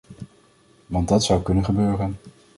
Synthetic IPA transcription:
ʋɑntdɑtsʌwkɵnənχəbøːrən

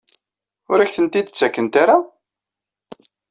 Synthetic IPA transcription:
ʊɾæçθənt̪id̪t͡sːækːənt̪aɾa

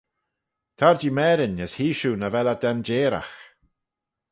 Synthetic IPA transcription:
t̪ʰaɹd͡ʒiːmɛːɾɪnəshiːʃuːnavɛlad̪ɛnd͡ʒeːɾa̰x

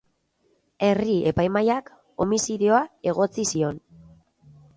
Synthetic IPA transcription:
e̞rie̞pajmajak | o̞misiðeo̞ae̞ɣo̞t͡sisio̞n

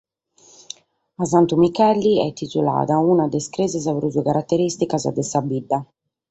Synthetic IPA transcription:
azant̪umikɛlːiɛ̰t̪it̪ula̰ːðaunad̪ɛskɾɛzazapeɾuzuakaɾʔat̪ːeɾist̪ikaza̰d̪ɛsabid̪ːa

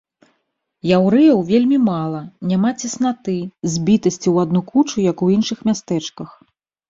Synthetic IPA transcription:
jawɾɨjɐwvʲelʲmʲimalˠɐnʲamat͡sʲɛsnat̪ɨzʲbʲit̪ɐsʲt͡sʲiwad̪nukut͡ʂujɐkuinʂɨxmʲast̪ɛt͡ʂkɐx

